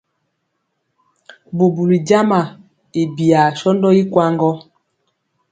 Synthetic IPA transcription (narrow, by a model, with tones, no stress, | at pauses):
bu˨bu˨li˨d͡ʒa˦ma˨ | i˨bi˨a˨ʃɔ˦ndɔ˦i˦kwa˦ŋɡɔ˦